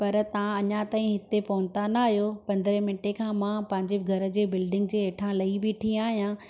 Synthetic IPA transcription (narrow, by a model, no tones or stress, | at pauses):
pɐɾt̪ɐʋãɐɲãt̪aːɦĩɦɪt̪epɐʋʊ̃nt̪anaːɦijopɐ̃nd̪ɾẽmɪnʈekʰãːmãːpɐ̃ɦɪ̃ɲd͡ʑeɡʱɐɾə̆d͡ʑeːbɪlɖɪ̃ŋɡ̚d͡ʑeːʈʰãlɐibɪʈʰĩaːɦijã